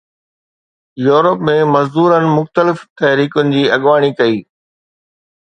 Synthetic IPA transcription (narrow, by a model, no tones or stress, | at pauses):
juːɾəpmẽmɐzd̪uːɾənɪ̆mʊxt̪əlɪft̪ɐɦɾiːkʊnɪ̆d͡ʑiːɐɠʋaːɽ̃ikɐiː